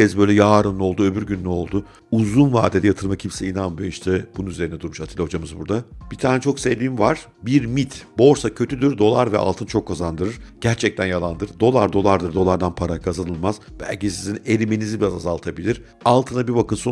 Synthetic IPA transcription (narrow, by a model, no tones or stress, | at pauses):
ɛzbø̞jlʲɛjaːɾɯno̞lˠd̪uø̞byɾɟynːyo̞lˠd̪ʊ | uzunva̰ːd̪ed̪ɛjat̪ʰɯɾˠmacʰimsɛinanmɯjiʃt̪ʰɛb̥ununyzeinɛd̪uɾmuʃat̪ʰilʲho̞d͡ʒamɯzbuɾd̪ab̥it̪ʰaːnɛt͡ʃʰo̞ksevd̪imvaɾ̥ | biɾmit̪bo̞ɾsacʰø̞t̪ʰyd̪yɾd̪o̞lˠaɾvɛ̰ʔa̰lˠt̪ʰɯnt͡ʃʰo̞kʰːazand̪ɯɾɯɾɟ̥æɾt͡ʃʰɛc̚t̪ʰænjalˠand̪ɯɾɯɾd̪o̞lˠaɾd̪o̞lˠaɾd̪ɯɾd̪o̞lˠaɾd̪anpʰaɾakʰazanɯlˠmazbæ̰lʲcisizine̞lʲimenizibiɾazazalˠt̪ʰabilʲiɾ̥ | alˠt̪ʰɯnabibakɯnso